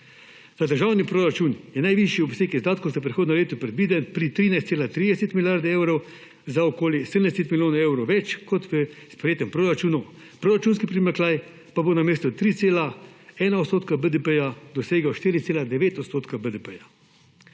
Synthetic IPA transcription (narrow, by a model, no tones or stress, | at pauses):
z̥ad̪əɾʒawnipɾoːɾat͡ʃuːnjɛnajʋiʃjiɔbseːkizd̪aːt̪kɔsapɾixoːd̪nɔleːt̪ɔpɾɛd̪biːd̪ɛnpɾit̪ɾiːnajst̪seːlat̪ɾid̪ɛsɛt̪miljaɾd̪ɛewɾɔw | zaɔkoːljisəd̪ənd̪ɛsɛt̪miljoːnaɛwɾɔwʋɛt͡ʃkɔt̪ʋəspɾɛjeːt̪ɛmpɾoɾat͡ʃuːnɔ | pɾoːɾat͡ʃuːnskipɾimɛklaːj | pabonameːst̪ɔt̪ɾiːt̪seːlaɛːnaɔt̪st̪oːt̪kabəd̪əpəjad̪ɔseːɡɔʃt̪iːɾit̪seːlad̪ɛʋeːt̪ɔt̪st̪oːt̪kabəd̪ɛpəja